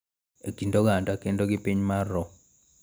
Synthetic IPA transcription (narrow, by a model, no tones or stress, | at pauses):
ekindoɡandakendoɡɪpiɲmarːɔ